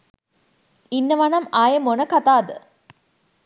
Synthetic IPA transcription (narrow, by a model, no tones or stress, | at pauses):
inːɐʋɐnɐmaːjɐmonɐkɐt̪aːd̪ə